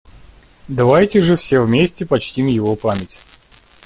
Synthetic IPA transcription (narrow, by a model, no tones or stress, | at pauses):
d̪ɐvajtʲɪʐɨfsʲevmʲesʲtʲɪpɐt͡ɕtʲimjɪvopamʲɪtʲ